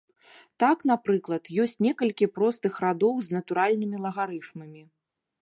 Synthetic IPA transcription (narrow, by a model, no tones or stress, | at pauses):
t̪aknapɾɨklˠɐt̪jɔsʲt͡sʲnʲɛkɐlʲkʲipɾɔst̪ɨxɾad̪ɔwznɐt̪uɾalʲnɨmʲilˠɐɣaɾɨfmɐmʲi